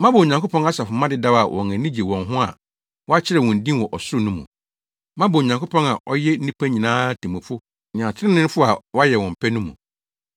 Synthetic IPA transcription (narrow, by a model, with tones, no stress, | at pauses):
mã˦bo˨o˨ɲã˨kʰo˦pʰɔ̃˦na˦sa˨fʊ˨mã˦dɪ˦da˦wa˨wʔɔ̰̃˨ŋæ̃˨nĩ˦d͡ʑe˨wɔ̃˨nɦʊ̃˦a̰˨ | wɔ˦a˦t͡ɕʰɪ˦ɾɛ˨wɔ̃˨n̩˨dĩ˦nwɔ˨ʔɔ˨sʊ˦ʊ˦˨nʊ̃˦mṵ̃˨ | mã˦bo˨o˨ɲã˨ŋkʰo˦pʰɔ̃˦na˨ʔɔ˦jɛ˦n̩˦nĩ˦pʰæ˦ɲĩ˨nãː˦tʰĩ˨mʊ̃˨fʊ̃˦˨ | ã˨tʰɪ˦ɪ̃˦nɪ̃˦n˦fʊ˦a˨wɔ˦a˦jɛ˨wɔ̃˨m̩˨pʰɛ˦nʊ̃˦mṵ̃˨